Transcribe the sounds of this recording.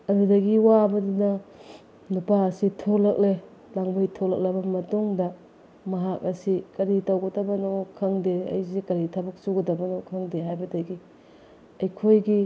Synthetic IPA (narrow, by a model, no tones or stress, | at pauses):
ɐɾudɐɡiwabɐdunɐ | nupaɐsitʰolɐk̚le | laŋbɐjtʰolɐk̚lɐbɐmɐtuŋdɐ | mɐɦak̚ɐsikɐɾitɐwɡɐdɐbɐnokʰɐŋdeɐ̰jzekɐɾitʰabɐk̚suɡɐdɐbɐnokʰɐŋdeɦajbɐdɐɡi | ɐjkʰojɡi